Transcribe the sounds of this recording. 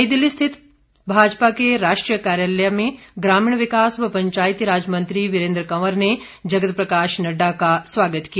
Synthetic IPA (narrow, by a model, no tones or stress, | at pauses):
jd̪ɪlːist̪ʰɪt̪ | bʱaːd͡ʒpakeɾaːʃʈɾijəkaːɾjaləjamẽɡɾaːmiːɳʋɪkaːsʋɐpɐɲt͡ʃaːjit̪iɾaːd͡ʒmɐ̃nt̪ɾiʋɪɾẽːnd̪ɾəkɐʋəɾne | d͡ʒɐɡət̪pɾɐkaːʃnɐɖakasʋaːɡət̪kij